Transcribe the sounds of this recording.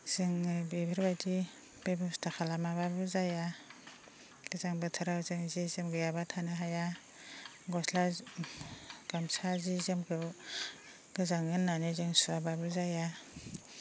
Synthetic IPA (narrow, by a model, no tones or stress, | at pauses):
z̥ɯŋɯbebɯɾbadi | b̥ebɯstʰaxʰalamababɯzaja | ɡ̥ɯzaŋbɯtʰɯɾawzɯŋzizemɡɯjabatʰanaɦaja | ɡɔsla | ɡ̥amsazizemɡɯw | ɡ̥ɯzaŋɯnːanizɯŋsuɾababɯzaja